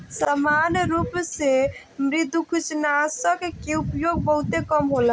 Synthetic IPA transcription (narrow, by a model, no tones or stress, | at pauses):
samanjɾupse | mɾid̪ʱukʰusnasəkkeupjoɡ̚bəɦut̪ekəmɦola